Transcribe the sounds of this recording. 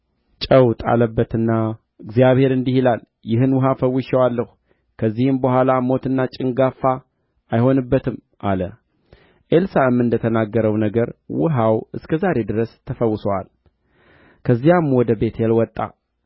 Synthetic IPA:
t͡ʃʼəwt̪ʼa̰ləbːət̪ɨnːa | ɨɡzijaβhe̞ɾɨnd̪ihilal | jɪɦɨnwʊɦafəwːɨʃɛwalːəhu | kʰəzːihɨmbəhʷalamo̞t̪ɨnːat͡ʃʼɪŋɡafa | ajho̞nɨbːət̪ʰɨm | ʔa̰lə | ʔelsaɨmːɨnd̪ət̪ʰənaɡːəɾəwnəɡəɾwʊɦawɨskʰəzaɾe̞d̪ɨɾəst̪ʰːəfəwːʊsəwa̰l | kʰəzːijamwɔd̪əbe̞t̪jɛlwɔt̪ʼːa̰

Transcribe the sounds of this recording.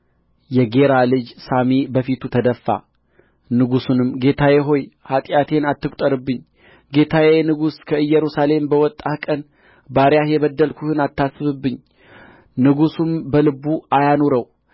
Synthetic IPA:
jɛɡe̞ɾalɨd͡ʒsamibəfit̪ʰut̪ʰəd̪əfːa̰ | nɨɡusunɨmɡe̞t̪ʰajɛɦo̞jhat̪ʼjat̪ʰe̞nat̪ːɨkʷʼt̪ʼəɾɨbːɨɲː | ɡe̞t̪ʰawenɨɡuskʰəɨjːɛɾusale̞mbəwɔt̪ʼːahkʼən | baɾjajɛβəd̪ːəlkʰuhɨnat̪ʰːasːɨβɨbːɨɲː | nɨɡusumbəlɨbːuajanoɾəw

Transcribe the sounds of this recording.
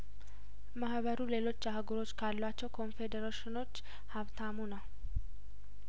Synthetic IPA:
mahbəɾule̞lo̞t͡ʃːahɡuɾo̞t͡ʃːkʰalːat͡ʃːɛwkʰo̞nfe̞d̪əɾaʃɪno̞t͡ʃː | haβt̪ʰamunəw

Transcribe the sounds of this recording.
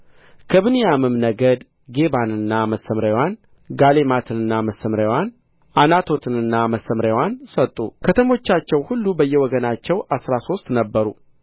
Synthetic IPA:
kʰəβɨnijamɨmnəɡəd̪ | ɡe̞βanɨnːaməsːəmɾawan | ɡalemat̪ʰɨnɨnːaməsːəmɾawan | ʔanat̪ʰo̞t̪ʰɨnɨnːaməsːəmɾaawansət̪ʼːṵkʰət̪ʰəmo̞t͡ʃːat͡ʃːɛwhulːubəjːɛwɔɡənat͡ʃːɛwʔasɾaso̞st̪ʼnəbːəɾu

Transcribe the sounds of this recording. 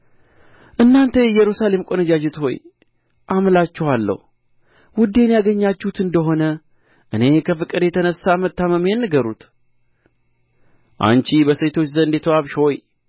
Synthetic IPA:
ʔɨnːant̪ʰəjɛjɛɾusale̞mkʷʼonəd͡ʒad͡ʒɛt̪ho̞̰j | ʔamlat͡ʃːɛwalːə̰hu | wʊd̪ːe̞njaɡəɲːat͡ʃːuhut̪ɨnd̪əɦo̞nə | ʔɨne̞kʰəfɨkʼɨd̪jɛt̪ʰənəsːamət̪ʰːaməmenːɨɡəɾṵt̪ | ʔa̰nt͡ʃibəset̪ʰo̞t͡ʃːzənd̪et̪ʰoaβʃho̞j

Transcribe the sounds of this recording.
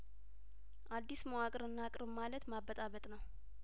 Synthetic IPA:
ʔad̪ːisməwakʼɨɾɨnːakʼɾɨmalət̪maβːət̪ʼaβət̪ʼnəw

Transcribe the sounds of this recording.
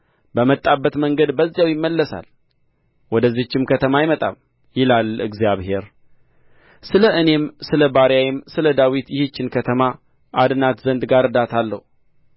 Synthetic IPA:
bəmət̪ʼːabːət̪məŋɡəd̪bəzːjawjɪmːəlːəsa̰l | wɔd̪əzːit͡ʃːɪmkʰət̪ʰəmajmət̪ʼa̰m | jɪlalɨ̰ɡzjaβhe̞ɾ | sɨləʔɨne̞msɨləbaɾjajɪmsɨləd̪awit̪jɪhɨt͡ʃːɪnkʰət̪ʰəma | ʔad̪ɨnat̪zənd̪ɡaɾɨd̪at̪ʰalːə̰hu

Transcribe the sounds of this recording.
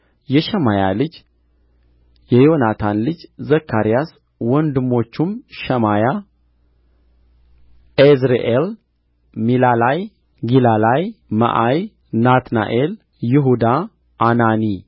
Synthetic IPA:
jɛʃɛmaja̰lɨd͡ʒ | jɛjo̞nat̪ʰanlɨd͡ʒzəkʰːaɾijas | wɔnd̪ɨmːo̞t͡ʃːumʃɛmaja | ezɾḛʔel | milalaj | ɡilalajmə̰ʔaj | nat̪na̰ʔel | jɪɦud̪a | ʔːnani

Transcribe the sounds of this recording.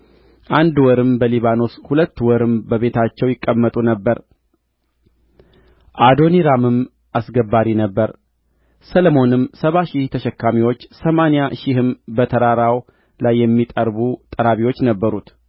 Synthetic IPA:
ʔand̪wɔɾɨmbəliβano̞shulət̪ːwɔɾɨmbəβe̞t̪ʰat͡ʃːɛwjɪkʼːəmːət̪ʼunəbːəɾ | ʔad̪o̞niɾamɨm | ʔasɡəbːaɾinəbːəɾ | səlomo̞nɨmsəβaʃɪht̪ʰəʃɛkːamiwo̞t͡ʃːsəmanjaʃɪhɨmbət̪ʰəɾaɾaw | lajːɛmːit̪ʼəɾbut̪ʼəɾaβiwo̞t͡ʃːnəbːəɾut̪

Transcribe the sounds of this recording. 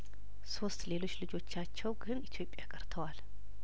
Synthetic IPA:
so̞st̪le̞lo̞t͡ʃːlɨd͡ʒo̞t͡ʃːat͡ʃːɛwɡɨnit̪ʰjo̞pʼːjakʼəɾt̪ʰəwal

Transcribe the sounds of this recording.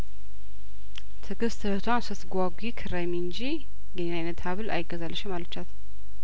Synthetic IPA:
t̪ʰɨɡɨst̪ʰɨhət̪ʰwansəsɡʷaɡʷikʰɨɾajmiɨnd͡ʒi | ɡəɲnajnət̪haβɨlʔa̰jɪɡːəzalːəʃɪmalət͡ʃːat̪

